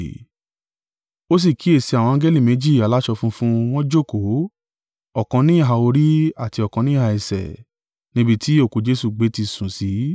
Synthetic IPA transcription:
o˦s̬i˦˨ki˨˦e˦˨si˧a˨wɔ̃˧ã˨˦ɡe˦li˦˨mẽ˨˦d͡ʒi˦˨a˨la˦ʃɔ˧fũ˦fũ˦w̃ɔ̃˦d͡ʒo˦˨ko˨˦ | ɔ˨kɔ̃˧nĩ˦i˦˨ɦa˧o˧ɾi˦a˦˨ti˧ɔ˨kɔ̃˧nĩ˦ha˧i˧˨sɛ̰˨ | nĩ˦bi˦˧ti˦o˦˨ko˨˧d͡ʒe˦su˦˨ɡ͡be˨˦ti˧˨sũ˨si˨˦

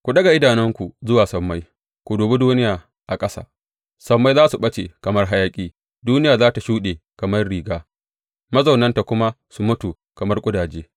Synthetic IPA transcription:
kʷu˨ɗɐ˦ɡa˨ʔɪ˦daː˨nɪ˦ŋkʷu˨zʊ˦waː˨sɐ˨mːa˦j | kʷu˨doː˨bu˦duː˦nɪ˦jaː˨ | ʔa˨kʼɐ˦sa̰ː˨ | sɐ˨˦mːa˦jzaː˦su˨ɓɐ˦t͡ʃe˨kɐ˨mɐ˦rɦa˦jaː˦kʲʼiː˦ | duː˦nɪ˦jaː˨zaː˦ta˨ʃuː˦ɗeː˨kɐ˨mɐ˦rɽiː˨ɡaː˦ | mɐ˦zɐ˨wnɐ˦nta˨kʷʊ˦ma˦ | su˨mʊ˦tu˨ | kɐ˨mɐ˦rkʷʼʊ˦daː˨d͡ʒeː˦

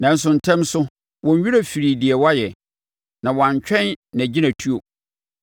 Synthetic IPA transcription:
nã˨n̩˦s̬ʊ˨n̩˨tʰɛ̃˦msʊ˦ | wɔ̃˨ɲ˦ɥu˦ɾa˦fi˨ɾi˨di˨ɛ˨wa˦jɛ˨ | nã˨wã˨ɲ˨t͡ɕᶣɛ̃˦nːɛ̃˨d͡ʑi˦nã˨tʰu˦o˨

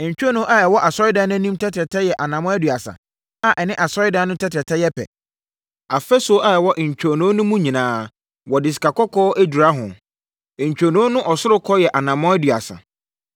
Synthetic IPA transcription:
ɲ̩˨t͡ɕᶣo˦nũ˦ʔa˦ɛ˨wɔ˦ʔa˨sɔ˦ɪ˦da˦nʊ̃˦nĩ˦mtʰɛ˦tʰɾɛ˨tʰɛ˦jɛ˨ʔa˨nã˨mɔ̃˦æ˦dɥa˨sa̰˨ | a˨ʔɛ˨nɪ̃˦ʔa˨sɔ˦ɪ˦da˦nʊ̃˦tʰɛ˦tʰɛ˨tʰɛ˦jɛ˦pʰɛ̰˨ | a˨fɛ˦so˨a˦ɛ˨wɔ˦ʔɲ̩˨t͡ɕᶣo˨nũ˦nʊ̃˦mũ˦ɲĩ˨nãː˦ | wɔ˨dɪ˨s̬i̥˨kʰa˨kɔ˦kʰɔː˦ʔæ˦du˨ɾa˦ɦʊ̃˨ | ɲ̩˨t͡ɕᶣo˨nũ˨˦o˦nʊ̃˦ʔɔ˨sʊ˦ɾʊ˦kʰɔ˦jɛ˨ʔa˨nã˨mɔ̃˦æ˦dɥa̰˨sa̰˨

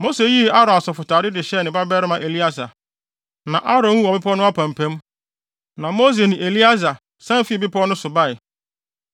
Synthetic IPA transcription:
mo˦se˨˦ji˦a˦ɾɔ̃˨a˨sɔ˨fʊ˨tʰaː˨ɾɪ˦dɪ˨ɕɛ˦˨nɪ̃˨ba˦bɛ˦ɾɪ˦mã˨ʔe˨li˦a˦sa̰˨ | nã˨ʔa˦ɾɔ̃˨nwũ˦ɔ˨bɪ˦pʰɔ˦nʊ̃˦a˦pʰã˨m˨pʰɛ̃˦m | nã˨mo˦s̬e˨nɪ̃˨ʔe˨li˦a˦za˨ | sã˦m˦fi˦˨bɪ˦pʰɔ˦nʊ̃˦sʊ˨ba˦˨ɪ˨

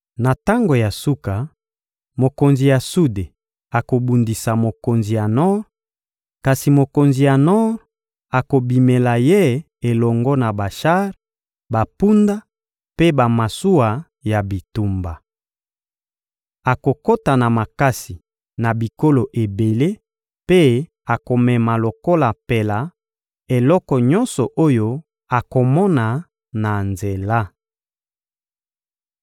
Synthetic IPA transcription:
na˨ta˦ŋɡo˨ja˨su˦ka˨ | mo˨ko˨nzi˨ja˨su˦de˨ | a˨ko˨bu˨ndi˨sa˨mo˨ko˨nzi˨ja˨nɔ˦ʁ | ka˨si˨mo˨ko˨nzi˨ja˨nɔ˦ʁ | a˨ko˨bi˨me˨la˨je˦ | e˨lɔ˨ŋɡɔ˦na˨ba˨ʃa˦ʁ | ba˨pu˦nda˦ | pe˦ba˨ma˨su˦wa˨ | ja˨bi˨tu˨mba˨ | a˨ko˨ko˦ta˨na˨ma˨ka˦si˨ | na˨bi˨ko˦lo˨ʔe˨be˨le˦ | pe˦ | a˨ko˨mɛ˨ma˨lo˨ko˦la˨pe˨la˨ | e˨lɔ˦kɔ˨ɲɔ˦nsɔ˨ʔo˦jo˦ | a˨ko˨mɔ˦na˨ | na˨nze˨la˦

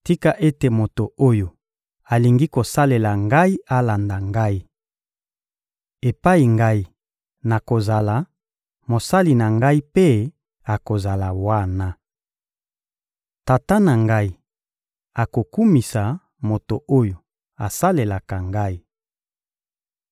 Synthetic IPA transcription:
ti˦ka˨ʔe˦te˨mo˨to˨o˦jo˨ | a˨li˨ŋɡi˦ko˨sa˦le˨la˨ŋɡa˦i˦a˦la˨nda˨ŋɡa˦i˦ | e˨pa˦i˨ŋɡa˦i˦ | na˨ko˨za˨la˨ | mo˨sa˦li˨na˨ŋɡa˦i˦pe˦ | a˨ko˨za˨la˨wa˦na˦ | ta˨ta˦na˨ŋɡa˦i˦ | a˨ko˨ku˦mi˨sa˨ | mo˨to˨o˦jo˨ | a˨sa˦le˨la˨ka˨ŋɡa˦i˦

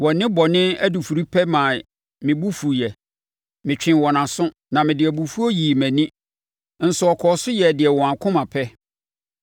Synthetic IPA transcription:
wɔ˨nɪ̃˦bɔ˨nɪ̃˦æ˦du˨fu˨ɾi˦pʰɛ˦mã˨ | mɪ̃˨bu˦fu˨jɛ˨ | mɪ̃˨t͡ɕᶣɪ̃˨wɔ˨nã˨sʊ̃˦ | nã˨mɪ̃˨dɪ˨ɛ˨bu˨fu˦ɔ˦jiː˨mæ̃˨nĩ˦ | n̩˨sʊ˨ɔ˨kʰɔː˨sʊ˦jɛ˨dɪ˨ɛ˨wɔ̃˨ã˨kʰʊ̃˦mã˨pʰɛ˦

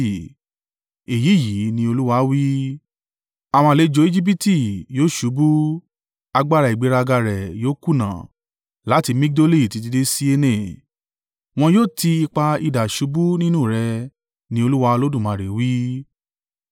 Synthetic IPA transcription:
e˨ji˨˦˨ji˨˦nĩ˧˦o˧lu˦wa˧˦wi˦ | a˨w̃ã˧le˨˦d͡ʒo˨˦i˦d͡ʒi˦p̬i˦ti˦˨joː˦˨ʃu˨˦bu˦ | a˧ɡ͡ba˦˨ɾa˨i˨ɡ͡be˨˦ɾa˧ɡa˧ɾɛ˨joː˦ku˦˨nã̰˨ | la˨˦ti˧mi˦k̚do˦li˦˨ti˧di˧de˦si˦e˧nẽ˦˨ | w̃ɔ̃˧joː˦˨tʰi˧i˧k͡pa˧i˧da˨ʃu˨˦bu˦nĩ˦nũ˦˨ɾɛ˧ | nĩ˧˦o˧lu˦wa˧o˧lo˦dũ˦˨mã˧˨ɾe˨wi˦

